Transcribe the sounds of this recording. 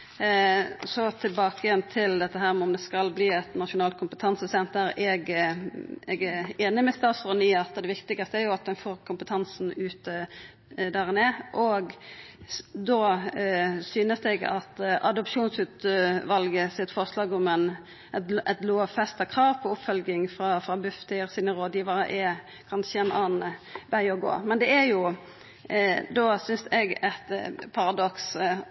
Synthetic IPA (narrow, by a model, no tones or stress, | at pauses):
sɔt̪ʰɪlbɑːkəjɛnt̪ʰɪld̪ɛt̪ːəɦæːɾmɛɔmd̪ɛskɑlbliːɛt̪nɑt̪ʃʊnɑːlt̪̚kʰʊmpət̪ʰɑnsəsɛnt̪əɾɛɡ | ɛɡæɾeːnɪmɛst̪ɑːsʁɔnyːəɑt̪ːəd̪ɛʋɪkt̪ɪɡɑst̪əæɾjʊɑt̪̚d̪ɛnfoːɾkʰʊmpət̪ʰɑnsn̩ʉːt̪ə | d̪æʁɪneːʔɔɡ | d̪oː | syːnəsd̪ɛɡɑ̰t̪ʔɑ̰d̪ʊpʃuːnsʉːt̪ʋɑlɡəsɪt̪fɔʁslɑːɡʊmɛn | ɛt̪loːfɛst̪ɑkʰʁɑːʋpʰɔʊpfœlɡɪŋfʁɑfɾɑbʉft̪ɪʁsɪnəɾoːd̪jiːʋɑɾə̰ʔɛ | kʰɑnʃəɛnɑːnʋæɪɔɡo̰ːmɛnd̪ɛæɾjʊ | d̪oːsʏnsɛɡɛt̪pʰɑɾɑd̪ɔks